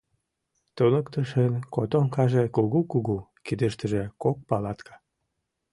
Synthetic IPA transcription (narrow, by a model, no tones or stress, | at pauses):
t̪onəkt̪əʃənkot̪oŋkɑʒekuɣukuɣukid̪əʃt̪əʒekok̚pɑlɑt̪kʰɑ̥